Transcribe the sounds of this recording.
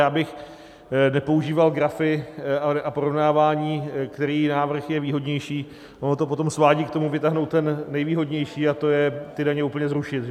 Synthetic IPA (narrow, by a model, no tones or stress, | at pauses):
jaːbɪx | nɛpo̞uʒiːvalɡɾafɪaapoɾo̞vnaːvaːɲiːkt̪ɛɾiːnaːvr̩xjɛviːɦo̞dɲɛjʃiː | ʔo̞not̪o̞po̞t̪o̞msvaːɟiːkt̪o̞muvɪt̪aɦnowt̪t̪ːɛnːɛjviːɦo̞dɲɛjʃiːat̪o̞jɛt̪ɪdaɲɛuːpl̩ɲɛzɾuʃɪt̪